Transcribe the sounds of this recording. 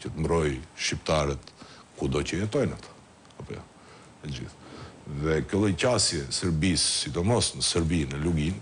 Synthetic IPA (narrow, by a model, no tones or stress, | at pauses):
cət̪əmbɾɔjʃipt̪aɾɛt̪kud̪ɔcəjɛt̪ɔjnat̪ʰḁ | apɔja̰ | ɛd͡ʑḭθðɛkəlˠɔjcasjɛsɛɾbisːid̪ɔmɔsnəsɛɾbinəluɡin